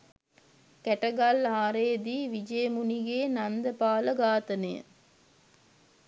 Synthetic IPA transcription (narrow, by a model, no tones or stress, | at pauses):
kæʈɐɡalaːɾeːd̪iːʋid͡ʒejmuniɡeːnand̪əpaːləɡaːt̪ɐnḛjə̰